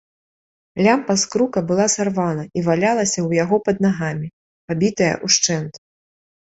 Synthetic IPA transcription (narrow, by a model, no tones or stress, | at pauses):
lʲampɐskɾukɐbɨlˠasarvanɐivalʲalˠɐsʲɐwjaɣɔpɐd̪̚naɣamʲi | pabʲit̪ɐjɐ̰ʔuʂt͡ʂɛnt̪ɐ